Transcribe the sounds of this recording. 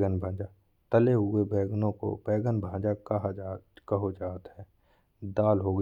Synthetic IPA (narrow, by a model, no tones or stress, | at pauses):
ɡənbʱãːd͡ʒa | t̪əleɦʊebɛːɡnõko̰bɛːɡənbʱãːd͡ʒakɦakəɦod͡ʒaːt̪ɦɛː | d̪aːlɦoːɡ